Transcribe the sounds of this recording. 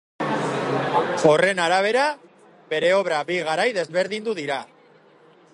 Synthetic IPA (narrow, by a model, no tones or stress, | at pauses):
o̞re̞naɾaβ̞e̞ɾa | be̞ɾe̞o̞βɾabiɣaɾajðe̞zβe̞ɾðind̪uðiɾa